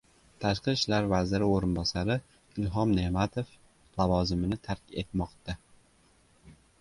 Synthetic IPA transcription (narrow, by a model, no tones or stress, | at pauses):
t̪ʰaʃqɨʃlaɾvazɪɾɪoɾɪnbɒsaɾɪ | ɪlɦɒmnemat̪ʰof | lavɒzɪmɪnɪt̪ʰaɾkʲe̞̰t̪mɒqt̪a